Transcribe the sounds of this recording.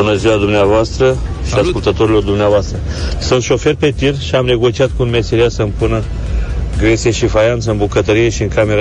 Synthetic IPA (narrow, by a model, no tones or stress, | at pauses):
unəziwad̪umneavoast̪ɾə | ʃiaskult̪ət̪o̞ɾilo̞rd̪umneavoast̪ɾəsɨnt̪ʃo̞fe̞rpe̞t̪irʃiamne̞ɡot͡ʃiat̪̚kunmeseɾiasəɨmpunə | ɡɾet̪sijeʃifajant̪səɨnbukət̪əɾije̞ʃiɨŋkame̞ɾa